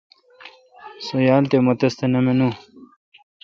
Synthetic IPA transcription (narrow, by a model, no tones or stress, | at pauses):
sojaːlt̪emot̪ɐst̪enɐmenu